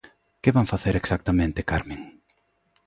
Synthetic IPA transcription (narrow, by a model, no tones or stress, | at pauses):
kɪβaŋfaθeɾeksak̚t̪amẽnt̪ɪkaɾmẽŋ